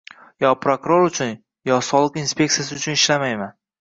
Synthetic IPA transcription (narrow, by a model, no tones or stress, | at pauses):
jɒpʰɾokɾoɾʊt͡ʃʰʊn | jɒsɒlˠɨqinspʲe̞kt̪ijasɪʊt͡ʃʰʊnɪʃlamajman